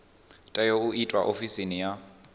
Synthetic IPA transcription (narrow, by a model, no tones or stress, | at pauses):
tʼajouitʼwaʔofisinija